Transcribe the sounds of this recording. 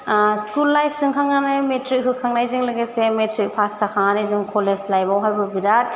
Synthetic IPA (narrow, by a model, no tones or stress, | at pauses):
skulːajpʰsɯŋkʰaŋnanɯmetɾik̚ɦɯkʰaŋnajzɯŋlɯɡesemetɾik̚pʰastakʰaŋanezuŋkʰoleslajbawɦajbɐbiɾat̚